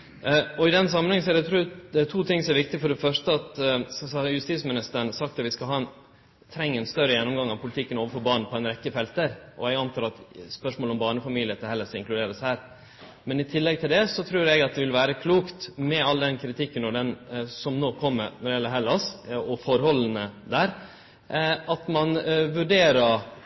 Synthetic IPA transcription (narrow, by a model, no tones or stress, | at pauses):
ɔɪd̪ɛns̬ɑmːənhɛŋən̩sɔæɾɖ̪ɛt̪ʰɾuːɛt̪ʰuːt̪ʰɪŋːsɔmɛɾʋɪk̚t̪ɪfɔɖɛfœʂʈəɑt̪sɑjʉst̪iːsmɪnɪst̪əɾəɳsɑkt̪ɑt̪ʋɪskɑɦɑːɛn | t̪ʰɾɛŋːəɛnst̪œɾəjɛnːɔmɡɑŋɑʋpʰʊlɪt̪ʰɪkːənoːʋəɾfɔɾbɑːɳn̩pʰɔɛɪnɾɛkːəfɛlt̪əɾʔɔ̰ɛɡɑnt̪ʰɑːɾɑt̪spœʂmoːlɔmbɑːɳəfɑmiːlɪət̪ʰɛhɛlːəsɪŋklʉd̪eːɾəshæːɾ | mɛnɪt̪ʰɪlːɛɡ̚t̪ʰɪld̪ɛsɔt̪ʰɾʉːɾɛɡɑt̪̚d̪ɛʋɪlʋæːɾəkʰluːkt̪mɛɑlːəd̪ɛnkʰɾɪt̪ʰɪkːənɔɖ̪ɛnsɔmnoːkʰɔmːəɾnɔɖɪɛlːəɦɛlːɑsɔfɔɾhɔlənəd̪æːɾ | ɑt̪mɑnʋʉɖeːɾəɾ